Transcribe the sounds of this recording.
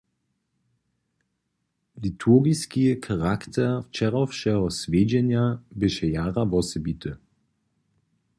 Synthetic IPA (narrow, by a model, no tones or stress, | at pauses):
litʰuɡiskikʰaʁakt̪ʰɛʁft͡ʃɛʁɔfʃɛɦɔsvʲeːd͡ʑɛnjabɪʃɛjaːʁavɔsɛbit̪ʰə